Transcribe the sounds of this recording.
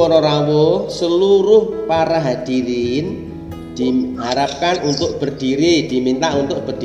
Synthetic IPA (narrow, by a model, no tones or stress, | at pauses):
ɔɾɔɾawɔsəluɾʊhpaɾaɦad̪̥iɾin | d̪̥iɦaɾap̚kanunt̪ʊʔ̚b̥ə̤rd̪̥iɾid̪̥i̤mint̪aʔunt̪ʊʔ̚b̥ərd̥